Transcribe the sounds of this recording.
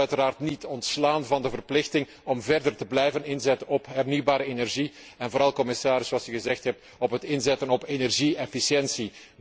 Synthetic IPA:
œɥtəɾaːrtnitʰɔntslaːnvɑndəvərplɪxtɪŋ | ɔmvɛrdərtəblɛjvənɪnzɛtəɔpɦɛrnywbaːɾəenɛrʒi | ɛnvoːɾɑlˠkɔmɪsaːɾɪsoɑlˠsyɣəzɛxtɦɛp̚t | ɔpɦətɪnzɛtənɔpenɛrʒiɛfisjɛnsi

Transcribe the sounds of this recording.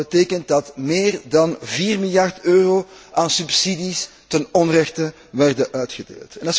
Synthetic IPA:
əteːkənt̚dɑtmeːrdɑnviːrmɪljɑrtøːroː | ʔaːnsypsidis | tənɔnrɛxtə | ʋɛrdəʔœːtxədḛːlˠtɛnɑ

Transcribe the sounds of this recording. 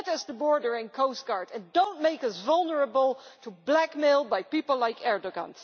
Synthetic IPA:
tɨzðəbɔɹdə˞ɪ̃nkʰoʊst̚ɡ̥ɑɹdɨ̃ndõʊ̃nmeɪkʌsvʌlˠnəɹəbəlˠtʰublækmɪlˠbajpipl̩ˠlaɪkɛɹdəɡɑ̰̃ns

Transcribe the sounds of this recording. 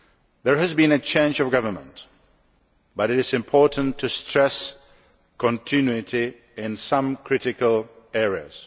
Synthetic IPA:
ðə˞ɨzbĩnɨt͡ʃʰẽɪ̃nd͡ʒʌvɡʌvə˞mə̰̃nt | b̥ʌɾɨɾɨzɨ̃mpʰɔɹʔə̃n̩tʰːɨstɹ̥ɛs | kʰə̃ntʰɪ̃njʉɪti | ɪ̃nsʌ̃mkʰɹ̥ɪɾɪkəlˠ | ɛɹiə̰z̥

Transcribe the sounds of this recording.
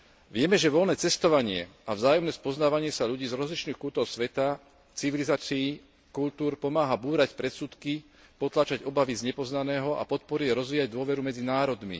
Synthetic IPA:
ʋɪɛmɛʒɛʋɔlnɛːt͡sɛst̪ɔʋaɲɪɛ̰avzaːjɔmnɛːspɔznaːʋaɲɪɛsaʎuɟiːzɾɔzlit͡ʃniːxkut̪ɔʊsʋɛt̪a | t͡siʋilizaːt͡siː | kult̪uːɾpɔmaːɦabuːɾacpɾɛt̪suːt̪ki | pɔt̪laːt͡ʃaɟɔbaʋizɲɛpɔznanɛːɦɔʔa̰pɔt̪̚pɔɾiɛɾɔzʋiːjaɟd̪ʊɔʋɛɾumɛd͡zinaːɾɔd̪mḭ

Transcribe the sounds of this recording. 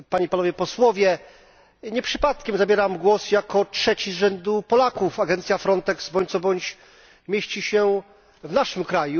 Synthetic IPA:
paɲipanɔvʲjɛpɔswɔvʲjɛ | ɲɛpʂɘpat̪kʲɛmzabʲjɛɾamɡwɔsjakɔtʂɛt͡ɕizʐɛnd̪upɔlakufaɡɛnt̪sʲjafɾɔnt̪ɛksbɔɲt̪sɔbɔɲt͡ɕ | mʲjeɕt͡ɕiɕɛ | vnaʂɘmkɾaju

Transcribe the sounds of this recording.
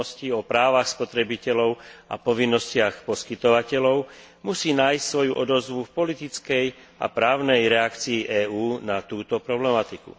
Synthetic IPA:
ɔsciɔpɾaːʋaxspɔt̪ɾɛbicɛlɔʊʔa̰pɔʋinːɔscɪaxpɔskit̪ɔʋacɛlɔʊ | musiːnaːjscsʋɔjuʔɔd̪ɔzʋufpɔlit̪it͡skɛj | ʔa̰pɾaːʊnɛjɾɛakt͡siːʔɛːuːnat̪uːt̪ɔpɾɔblɛmat̪ikṵ

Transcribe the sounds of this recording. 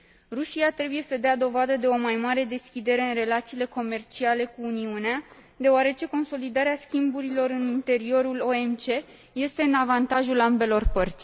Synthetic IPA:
ruʃiat̪ɾe̞buje̞səd̪ead̪o̞vad̪əd̪e̞o̞majmaɾe̞d̪e̞skʲid̪e̞ɾe̞ɨnre̞lat̪siːle̞ko̞me̞rt͡ʃiale̞kuːniunea | d̪e̞oaɾe̞t͡ʃe̞ko̞nso̞lid̪aɾeaskʲimbuɾilo̞ɾɨnint̪e̞ɾio̞ɾulo̞e̞mt͡ʃe̞ | je̞st̪e̞ɨnavant̪aʒulambe̞lo̞rpərt̪sʲ

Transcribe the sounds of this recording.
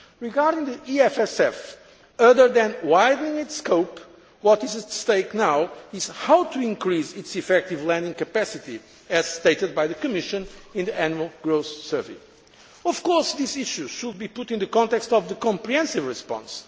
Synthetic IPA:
ɹiɡaɹdɪ̃ŋðiʔiɛfɛsɛf | ʌðə˞ðɨ̃nwaɪdⁿnɪ̃ŋɪtskoʊp | wɔtɨzɨst̪eɪknawɪz̥hawt̪ʰuɪ̃ŋkɹizɪtsifɛk̚t̪ivlæ̃ndĩŋkɨpæsɨti | ɨz̥st̪eɪtɨd̪̚bajðɨkɨmɪʃɨ̃nĩnðiʔænjəlˠɡɹoʊθsɜ˞vḛ | ɔv̥kɔɹsðisiʃuʃud̪̚bipʊtĩnðɨkɔ̃nt̪ɛkstɔvðəkɔ̃mpɹihɛ̃nsivɹɨspɑ̰̃ns

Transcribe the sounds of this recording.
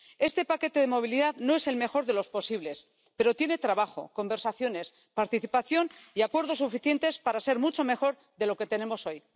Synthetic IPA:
e̞st̪e̞pake̞t̪e̞ðemo̞β̞iliðaðno̞e̞se̞lme̞xo̞ɾðe̞lo̞spo̞siβle̞s | pe̞ɾo̞t̪je̞ne̞t̪ɾaβaxo̞̰ko̞mbe̞ɾsaθjo̞ne̞s | paɾt̪iθipaθjo̞niakwe̞ɾð̞o̞sːufiθje̞nt̪e̞spaɾase̞ɾmut͡ʃo̞me̞xo̞ɾ | ðe̞lo̞ke̞t̪e̞nemo̞so̞j

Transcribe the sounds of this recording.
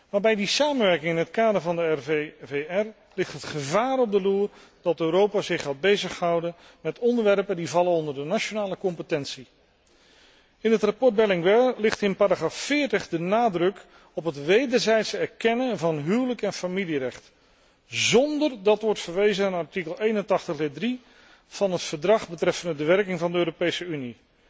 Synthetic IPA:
ʋaːɹbɛjdisaːmənʋɛɹkɪŋɪnɦətkaːdəɹvɑndəɛveɛr | lɪχtɦətχəvaːɾɔb̚dəluːr | d̥ɑtøːɾowpaːzɪχaːbejzəχɦʌwdən | mɛtɔndəɹʋɛrpəndivɑlənɔndəɹdənat͡ʃonaːləkɔmpətɛntsi | ɪnətrapɔɹt̚d̚bɛlɪŋʋɛɹlɪχtɪnpaːɾaχraːfːɪːɹtəχdənaːdrɵk | ɔpɦətʋejdəɹzɛjtsɛɹkɛnənvɑnɦywləkɛnfamilirɛχt | zɔndərdɑtʋɔɹtfəɹʋejzənaːnɑɹtikəlˠejnəntɑχtəχdɪdri | v̥ɑnɦətfəɹdrɑχbətrɛfəndədəʋɛɹkɪŋvɑndəøːɾopejsəyni

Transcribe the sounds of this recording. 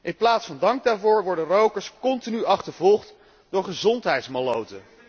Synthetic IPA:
ʔɪnplaːtsfɑndɑŋɡ̚daːɹvoːɹʋɔɹdənrowkəɹskɔntinyɑχtəɹvɔlˠχt | dʊːɹχəzɔntɦɛjtsmalowtə

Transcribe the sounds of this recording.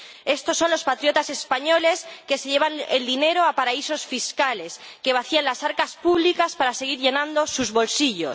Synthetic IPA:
e̞st̪o̞sːo̞nlospat̪ɾjo̞t̪ase̞spaɲo̞le̞ske̞se̞ʎe̞β̞anḛld̪ine̞ɾo̞apaɾaiso̞sfiskale̞s | ke̞β̞aθianlasaɾkaspuβlikaspaɾase̞ɣ̞iɾʝe̞nãnd̪o̞suzβo̞lsiʎo̞s

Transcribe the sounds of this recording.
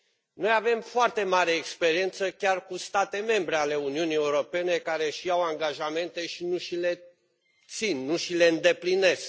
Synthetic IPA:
no̞jave̞mfoart̪e̞maɾe̞ːkspeɾie̞nt̪səkʲarkust̪at̪e̞me̞mbɾe̞ale̞uniunie̞uɾo̞pe̞ne̞kaɾe̞ʃijawaŋɡaʒame̞nt̪e̞ʃinuʃile̞ | t̪sinːuʃile̞ɨnd̪e̞pline̞sk

